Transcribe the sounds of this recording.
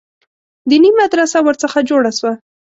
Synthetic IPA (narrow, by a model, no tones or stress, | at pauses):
d̪ənimad̪ɾasawəɾt͡səxad͡ʒoɽaʃwa